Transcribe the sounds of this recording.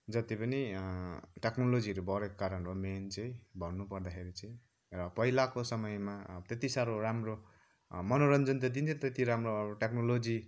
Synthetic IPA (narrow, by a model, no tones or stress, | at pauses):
d͡zʌt̪ipʌni | ʈeknolod͡ziʌɾubʱʌɾekkaɾʌnroment͡sʌĩbʱʌnnːupʌrd̪axʰeɾit͡sʌĩ | rʌpʌɦilakosʌmʌjmat̪et̪isaɾoɾamro | mʌnoɾʌnd͡zʌnt̪ʌd̪int̪ʰit̪et̪iɾamrobʈeknolod͡zi